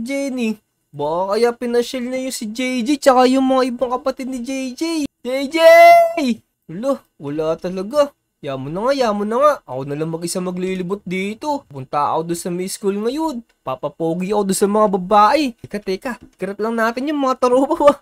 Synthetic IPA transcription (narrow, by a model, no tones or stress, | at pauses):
d͡ʒɛni | bɐʔakɐjapɪnɐʃɛlnɐjʊŋsɪd͡ʒɛjd͡ʒijt͡ʃɐkajʊŋmɐŋaʔɪbɐŋkɐpɐt̪ɛd̪̚nɪd͡ʒɛjd͡ʒɛjd͡ʒɛjd͡ʒɛj | lo | wɐlat̪ɐlɐɡa | jaːmonɐŋajaːmonɐŋaʔʔɐkonɐlaŋmɐɡʔɪsamɐɡlilɪbʊt̪̚d̪iːt̪o̞pʊnt̪aʔɐ̰kod̪onsɐmɐskulŋɐjon | papɐpoːɡiʔɐkod̪onsɐmɐŋabɐbaːʔɪkɐt̪ɛkakɐɾɐt̪̚lɐŋnaːt̪ɪnjʊŋmɐŋat̪ɐɾobɐwɐ